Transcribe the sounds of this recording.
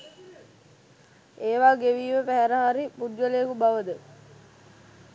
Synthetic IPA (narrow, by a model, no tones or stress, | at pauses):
eːʋaːɡeʋiːʋəpæɦæɾaɦaɾipud̪jəlekubaʋəd̪ə